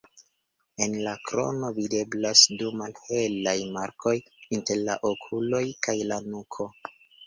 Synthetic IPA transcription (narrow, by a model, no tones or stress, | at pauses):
e̞nlakɾo̞̰no̞vide̞blasdumalhe̞lajmaɾko̞jinte̞ɾla̰ʔokʰulo̞jkajlanukʰo̞